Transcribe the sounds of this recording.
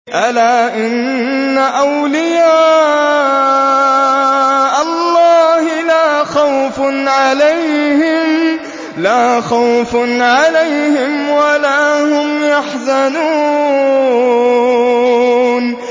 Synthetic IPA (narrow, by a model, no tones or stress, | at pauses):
ʔalaːʔɪnː | aʔawlɪjaː | ʔɑlˤːɑːhɪlaːxawfʕalajhɪmm | laːxawfʕalajhɪmwalaːhʊmjaħzanuː | n